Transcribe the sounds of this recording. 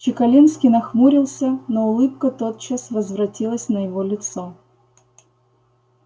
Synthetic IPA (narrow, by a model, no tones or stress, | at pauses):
t͡ɕɪkɐlʲinskʲinɐxmuɾʲɪlˠsʲənoʊlˠɨp̚kət̪o̞t̪̚t͡ɕasvəzvɾɐtʲilˠəsʲnəjɪvolʲɪt̪so